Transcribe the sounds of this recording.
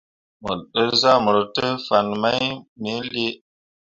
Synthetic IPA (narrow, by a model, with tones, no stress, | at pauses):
mə˨ɗə˦ɾza˦˨mə˨ɾə˨tə˦fa˨nma˦jme˦le˦